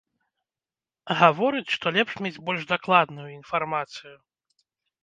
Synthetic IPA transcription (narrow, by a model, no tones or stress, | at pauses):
ɣavɔɾɨt͡sʲʂt̪ɔlʲɛpʂmʲed͡zʲbɔlʲʐd̪aklˠad̪nujuinfarmat̪sɨju